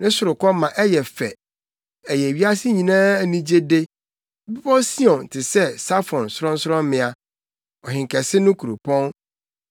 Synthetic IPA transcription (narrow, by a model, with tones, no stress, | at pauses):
nɪ̃˦sʊ˨ɾʊ˨kɔ˦mã˨ʔɛ˦jɛ˨fɛ̰˨ | ɛ˨jɛ˨ɥi˦a˦sɪ˦ɲĩ˨nãː˦˨nĩ˦d͡ʑe˦de˦ | bi˦bɔ˦si˦ɔ̃˨n˨tʰɪ˨sɛ˦˨sa˦fɔ̃˨nsʊ˦ɾɔ̃˦n˦sʊ˦ɾɔ̃˦m˦mɪ̃˨a˨ | ɔ˨ɦɪ̃˨ŋ˨kʰɛ˨sɪ˦nʊ̃˦kʰu˨ɾu˨pʰɔ̃˦n